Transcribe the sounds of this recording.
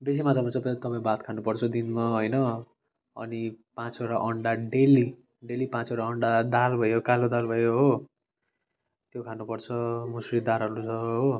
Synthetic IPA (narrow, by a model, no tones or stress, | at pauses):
bes̬imat̪amat͡sʌpat̪ʌpãĩbat̪kʰanupʌrt͡sʰʌd̪inmaɦojnʌ | ʌ̰nipãt͡soɾaʔʌɳɖaɖeli | ɖelipãt͡soɾaʌɳɖad̪albʱʌjokalod̪albʱʌjoɦo | t̪jokʰanupʌrt͡sʰʌmusrid̪aɾɦʌɾut͡sʰʌɦo